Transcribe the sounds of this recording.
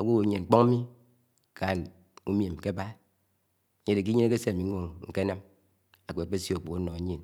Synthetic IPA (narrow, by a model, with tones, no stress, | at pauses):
o˨wo˦wo˨˦ɲe˨ŋ͡m̩˨k͡po˦ŋa˦mi˦ | ka˨n | u˦m˦e˨m˨ke˦ba˦˨ | ɲe˦de˨ki˦ɲi˦ne˦ke˦se˦˨mi˨˦ŋʷo˦ŋŋ̩˨ke˦na˦m | a˨k͡pe˨k͡pe˦sjk͡po˨ko˦no˨e˨˦ɲe˦˨n